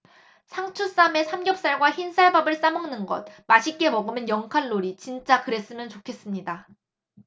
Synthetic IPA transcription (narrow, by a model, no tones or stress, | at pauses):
sʰaŋt͡ɕʰus͈ame̞sʰamɡjʌp̚s͈aɭɡwaçinsʰaɭbabɯɭs͈amɯŋnɯnɡʌ̰t̚maɕʰik͈e̞mʌɡɯmenjʌŋkʰanːoɾit͡ɕint͡ɕ͈akɯɾe̞s͈ɯmjʌnt͡ɕokʰe̞s͈ɯmɲida